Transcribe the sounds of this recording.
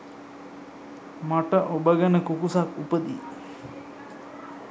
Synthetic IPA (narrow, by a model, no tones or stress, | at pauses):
maʈəʔobəɡənəkukusakupəd̪ḭ